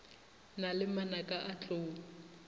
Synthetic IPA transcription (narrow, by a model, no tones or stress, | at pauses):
nalɪmanakʼaʔat͡ɬʼoː